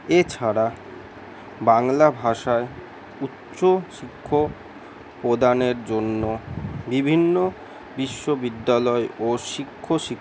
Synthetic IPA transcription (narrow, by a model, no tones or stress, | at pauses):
et͡ɕʰaɾa | baŋlabʱaʃae | utːɕoʃikʰːo | pɾod̪aneɾd͡ʑonːobibʱinːo | biʃːobid̪ːalɔeʔoʃikʰːoʃik